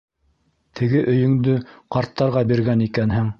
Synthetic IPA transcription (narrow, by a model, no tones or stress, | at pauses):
t̪ʰɘ̆ɡɘʔɵ̆jɵ̆ŋd̪ɵqɑɾt̪ːɑɾʁɑbiɾɡænikænɦɘŋ